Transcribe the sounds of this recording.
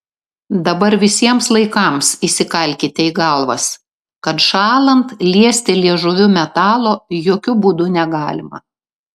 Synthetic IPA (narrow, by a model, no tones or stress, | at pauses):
d̪ɐbɐɾʋʲɪsʲiɛmslˠɐɪkɐˑmsiːsʲɪkɐlʲkʲɪt̪ʲɛɪɡɐlˠʋɐs | kɐt̪ʃɑːlˠɐnt̪lʲiɛsʲt̪ʲɪlʲiɛʒʊʋʲʊmʲɛt̪ɑːlˠoːjoːkʲʊbuːd̪ʊnʲɛɡɑːlʲɪmɐ̰